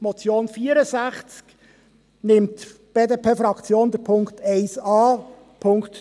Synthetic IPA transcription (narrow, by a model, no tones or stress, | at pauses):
mɔt͡sjoːnfiəɾəsæχt͡sk | nɪmtb̥eːdeːpʰeːfɾɑkt͡sjoːnd̥̪əɾpʰʊŋktɛɪsɑː | pʰʊŋkt̪